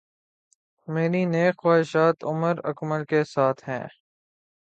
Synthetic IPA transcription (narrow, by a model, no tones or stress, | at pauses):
meːɾineːkxwaːɪʃaːt̪ʊməɾə̰kməlkesaːt̪ʰɦɛ̰̃ː